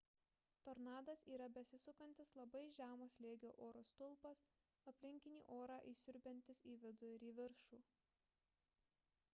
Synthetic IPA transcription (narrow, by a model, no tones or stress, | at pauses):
t̪oːɾnɑːd̪ɐsiːɾɐbʲɛsʲɪsʊkɐnʲt̪ʲɪslˠɐbɐɪʒʲæːmoːslʲeːɡʲoːʔoːɾoːst̪ʊlˠpɐs | ɐpʲlʲɪŋʲkʲɪnʲḭːʔoːɾɑʔiːsʲʊɾʲbʲɛnʲt̪ʲɪsiːʋʲɪd̪ʊɪɾiːʋʲɪɾʃuː